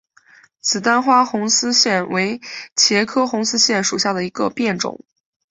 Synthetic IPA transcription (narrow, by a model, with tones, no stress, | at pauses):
t͡sʰɹ̩˨˩t̪a˥nxwa˥xʊ˧˥ŋsɹ̩˥ɕjɛ˥˩nwe˧˥ɪt͡ɕʰjɛ˧˥kʰɤ˥xʊ˧˥ŋsɹ̩˥ɕjɛ˥˩nʂu˨˩ɕja˥˩d̪ə˩i˧˥ɡə̰˧pjɛ˥˩nʈ͡ʂʊ̰˨˩˦ŋ